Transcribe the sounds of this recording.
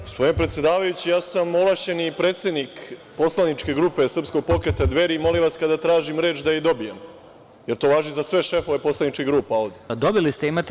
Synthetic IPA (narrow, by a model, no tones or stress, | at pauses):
ɡospo̞d̪inpɾet̪sje̞d̪aːʋajut͡ɕijaːsamolˠaʃt͡ɕenipɾe̞ːt̪se̞d̪nik | po̞slˠanit͡ʃke̞ɡɾuːpe̞sr̩psko̞ɡ̚po̞kɾet̪ad̪ʋe̞ɾimo̞liʋaskad̪at̪ɾaːʒimɾe̞ːt͡ʃd̪ajid̪o̞bijem | jeɾt̪o̞ːʋaːʒizasʋe̞ʃe̞fo̞ʋe̞po̞slˠanit͡ʃkʲiɡɾuːpao̞vd̪ed̪o̞bilist̪eimat̪e